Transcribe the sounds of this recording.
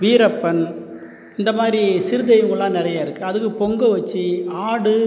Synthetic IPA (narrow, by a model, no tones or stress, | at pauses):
ʋiːɾɐpːɐn | ɪnd̪ɐmaːd̪ɾisɪɾɯðɐjɯŋɡɯɭːãːnɪɾɐjaːɪɾɯkːɯɐðɯkːɯpɔŋɡɐʋɐt͡ʃːiaːɽɯ